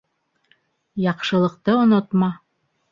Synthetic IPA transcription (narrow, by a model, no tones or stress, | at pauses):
jɑqʃɤ̆lˠɤ̆q̚t̪ɤŏnŏt̪mɑ